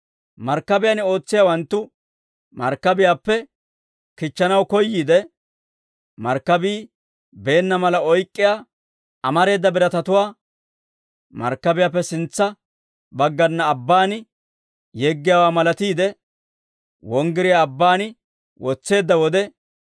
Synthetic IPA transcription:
mɐɾkːɐbɪjaːnɪo̞ːt͡sːɪjaːwɐnt̪ːʊ | mɐɾkːɐbɪjaːpːɛ | kɪt͡ʃːɐnɐwkɔjːiːd̪ɛ | mɐɾkːɐbiː | be̞ːnːɐmɐlɐɔjkʼːɪjaː | ɐmɐɾe̞ːd̪ːɐbɪɾɐt̪ɐt̪ʊwaː | mɐ̰ɾkːɐbɪjaːp̬ːɛsɪnt͡sːɐ | bɐɡːɐnːɐːbːaːnɪ | jeɡːɪjaːwaːmɐlɐt̪iːd̪ɛ | wɔŋɡɪɾɪjaːbːaːnɪ | wɔt͡sːe̞ːd̪ːɐwɔd̪ɛ

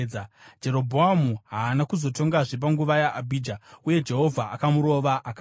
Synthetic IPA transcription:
d͡ʒe̞ɾo̞bʱoamuɦaːnakuzo̞to̞ŋɡaʐep̬aŋɡuʋajaʔabʱiːd͡ʒauje̞d͡ʒe̞ɦo̞vʱaʔakamuɾo̞ʋaʔaka

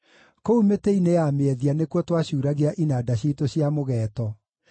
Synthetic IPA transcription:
koumeteinejameɛðianekwɔtwaɕuːɾaɣeaʔinadaɕitoɕjamoɣɛːtɔ

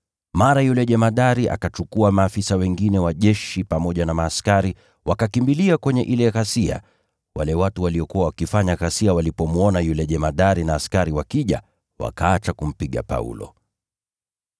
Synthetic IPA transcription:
maɾajulɛʄɛmaɗaɾiʔa̰kat͡ʃukuamaːfisawɛŋɡinɛwaʄɛʃipamɔʄanamaːskaɾi | wakakimbiliakwɛɲɛʔilɛɣasia̰ | walɛwatuwaliɔkuwawakifaɲaɣasiawalipɔmwɔnajulɛʄɛmaɗaɾinaːskaɾiwakiʄa̰ | wa̰kaat͡ʃakum̩piɠa̰pa̰ṵlɔ̰

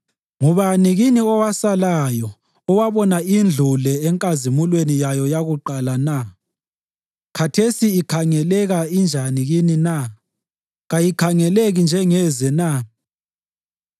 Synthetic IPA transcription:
ŋuβaniɣiniɔwasalajɔ | ɔwaβɔnaind͡ɮʱulɛɛŋkʼazimulwenijajɔjaɣuǃalana | kʰatʰesiːkʰaŋɛlɛɣaind͡ʒʱaniɣinina | ɣajikʰaŋɛleɣind͡ʒʱɛŋɛzɛna

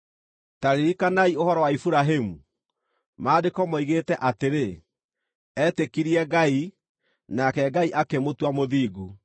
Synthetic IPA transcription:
taɾeikanaiohɔɾɔwaifuɾaɦemu | maːdekɔmɔiɣetɛʔateɾe | ɛtekiɾiɛɡai | nakɛɡaiʔakemotwamoðiːɡu

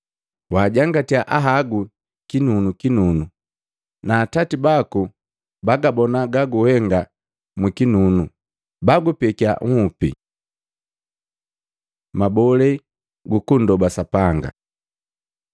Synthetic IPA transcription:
waːɟaŋɡatiaʔaɦaɡu | kinunukinunu | naːtatibaku | baɡabɔnaɡaɡuhɛŋɡa | mwikinunu | baɡupɛkia̰ŋ̩hupḭ | mabɔlɛ | ɡukundɔbasapaŋɡa̰

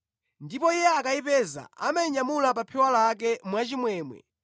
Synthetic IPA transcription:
ndipɔijɛakaipɛza̰a̰maiɲamulap̬apʰɛwalak̬ɛmwat͡ʃimwɛːmwɛ̰

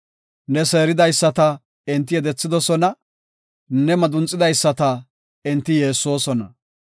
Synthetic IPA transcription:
nɛse̞ːɾɪd̪ɐjsːɐt̪ɐ | ɪnt̪ːɪjɛd̪ɛt͡sːɪd̪ɔsɔnɐ | nɛmɐd̪ʊnt͡sʼːɪd̪ɐjsːɐt̪ɐ | ɪnt̪ːɪjeːsːo̞ːsɔnɐ

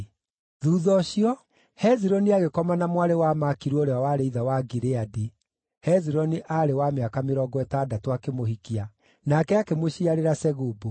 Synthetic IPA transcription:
ðuːðɔɕiɔ | hɛziɾɔniaɣekɔmanamwaɾewamakiɾwoɾeawaɾeiðawaɡiɾeadi | hɛziɾɔniʔaɾewameakameɾɔɡɔɛtaːdatowakemohikia | nakɛakemoɕiaɾeɾasɛɣubo

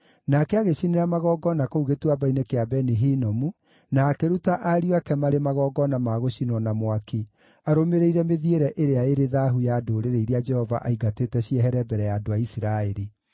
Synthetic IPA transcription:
nakɛaɣeʃineɾamaɣɔɡɔnakouɣetwabainekeabɛniɦinɔmu | nakeɾutaʔaɾioakɛmaɾemaɣɔːɡɔnamaɣoɕinɔnamwake | aɾomeɾeiɾɛmeðieɾɛʔeɾeaeɾeðaɦujadoːɾeɾeiɾead͡ʒɛhɔva̰ʔaiɡateːtɛɕiɛɦɛɾɛbɛɾɛjaːdoaisiɾaeɾi

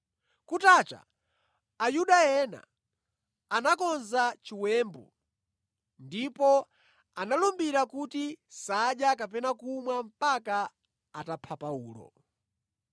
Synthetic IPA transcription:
kutaːt͡ʃa̰ː | juɗajɛna̰ː | nakɔnzat͡ʃiwɛːmbɔ̰ | ndipɔ | analumbiɾakutisaɗjakapɛnakumwam̩paka | atapʰapauːlɔ̰

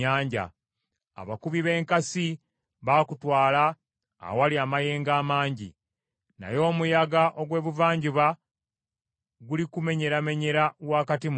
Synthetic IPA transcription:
aːɲɟa̰ | a̰βakuβiβe̞ːŋkasi | βaːkutwaːla̰ː | waliamaje̞ːŋɡaːmaːɲɟi | na̰jo̞ːmujaɡaʔo̞ɡwe̞ːβuvaːɲɟuβa | ɡulikume̞ɲe̞ɾame̞ɲe̞ɾawaːkatim

